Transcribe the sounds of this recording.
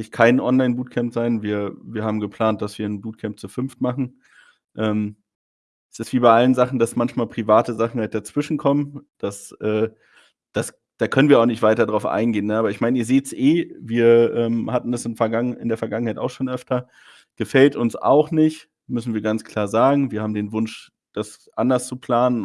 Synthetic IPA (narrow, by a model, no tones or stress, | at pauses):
ɪçkʰaɪnʔɔnlaɪnbuːt̚kʰɛmpz̥aɪnviːɐviːɐhaːbm̩ɡəpl̥aːnt̚d̥asv̥iːɐnbuːt̚kʰɛmp̚t͡sufʏnftmaχn̩ | ʔɛːm | ɛsɪstv̥iːbaɪʔalənzaχn̩d̥asmançmaːlpʁ̥ivaːtəzaχn̩haɪt̚d̥at͡sv̥ɪʃn̩kʰɔmənd̥asʔɛː | d̥as | d̥aːkʰœnənviɐaʊxnɪçtv̥aɪtɐdʁaʊfʔa̰ɪnɡeːnːəʔaːbɐɪçmaɪnəiːɐzeːtsʔeːviːɐʔɛːmhatn̩dasɪmfɛɐɡaŋɪ̰ndeːɐfɛɐɡaŋənhaɪta̰ʊxʃoːnʔœftɐ | ɡ̥əfɛltʊnsa̰ʊχnɪçt | mʏsn̩viːɐɡant͡skl̥aːɐzaːɡŋ̩viːɐhaːbm̩deːnvʊnʃ | d̥as | ʔandɐst͡supl̥aːnən